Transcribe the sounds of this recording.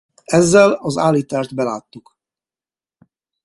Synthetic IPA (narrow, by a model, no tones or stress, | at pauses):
ɛzːɛlɒzaːlit̪aːrt̪bɛlaːt̪ːuk